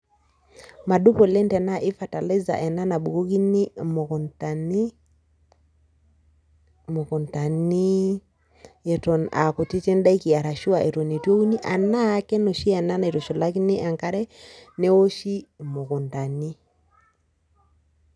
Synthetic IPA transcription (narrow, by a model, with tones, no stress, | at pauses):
ma˨du˦po˨le˦ntɛ˨na˦ʔe˦fa˨ta˨le˦za̰˨ʔɛ˨na˦na˨ɓu˨ko˦ki˦nɪ˦mo˨ko˨nta˨ni˦ | mo˨kɔ˨nta˨ni˦ | ɛ˨tɔ˨na̰˨ko˨ti˦te˦n˦da˦i˦ki˨a˨ɾa˨ʃu˦a˨ʔe˨to˨ne˨two˦u˦ni˦ʔa˨na˦˨˦kɛ˦no˨ʃi˦ɛ˨na˦na˨e˨to˨ʃo˨la˦ki˦ne˦ʔa˨ŋka˦ɾɛ˦ne˦wo˦ʃi˦mo˨ko˨nta˨ni˦